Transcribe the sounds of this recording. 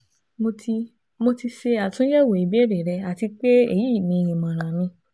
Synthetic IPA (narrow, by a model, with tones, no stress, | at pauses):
mo˧ | mo˧ti˧ʃe˧a˨tũ˦jɛ˦˨wo˨i˨bɾe˨ɾɛ˧a˨ti˧k͡pe˦ḛ˦˨ji˦i˦˨nĩ˧jĩ˨mã˨ɾ̃ã˨nĩ˧˦